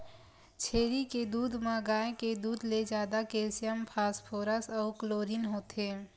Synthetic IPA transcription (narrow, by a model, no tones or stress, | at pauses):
t͡ʃʰeːɾiked̪uːd̪ʱmə̃ɡaːẽked̪uːd̪led͡ʒaːd̪akeːsijəmpʰaːspʰoːɾəsɔːkloːɾinɦoːt̪eː